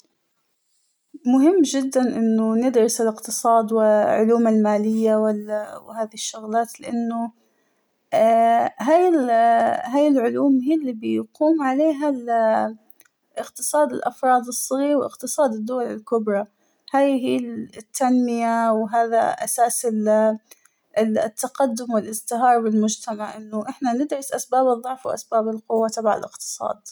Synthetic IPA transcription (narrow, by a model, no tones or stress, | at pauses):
mʊɦɪmːd͡ʒɪd̪ːanʔɪnːʊnɪd̪ɾɪsɪlɪqt̪ɨsˤɑːd̪wɪʕʊ̰luːmalmaːlɪjːawɪlwhaːðihɪʃːʊɣlaːt̪lɪʔanːʊ | ɦaːjɪlɦaːjɪlʕʊluːmɦiːlːibɪjquːmʕaleːɦal | ʔɪqt̪ɨsˤɑːd̪ɪlʔafɾˤɑːd̪ɨsˤːɑɣiːɾwʔɪqt̪ɨsˤɑːd̪ɪd̪ːʊwalɪlkʊbɾˤɑ | haːjɦiːt̪ːanmɪjawɦaːða̰ʔa̰saːsɪ | t̪ːaqad̪ːʊmwɪlʔɪzt̪ɪɦɑːɾˤbɪlmʊd͡ʒt̪amaʕʔɪnːʊʔɪħnanɪd̪ɾɪsʔasbaːbɨðˤːɑʕfwʔa̰sbaːbɪlqʊwːat̪ˤɑbʕa̰lʔɪqt̪ɨ̥sˤɑ̰ːd̪